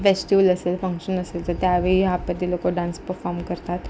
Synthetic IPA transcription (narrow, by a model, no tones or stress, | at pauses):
ʋesʈjuːlɐseːlfə̃ŋkʃənəseːlt̪ət̪jabʱiapːət̪ilokoɖãːnspəɾfɔːɾmkəɾt̪aːt̪